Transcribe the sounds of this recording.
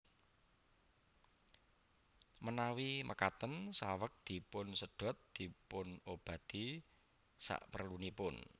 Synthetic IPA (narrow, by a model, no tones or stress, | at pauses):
mənawimʔəkat̪ənsawək̚d̪̥i̤pʊnsəɖ̥ɔ̤t̪̚d̪̥i̤pʊnob̥ä̤t̪i | sa̰ʔpərlunipʊn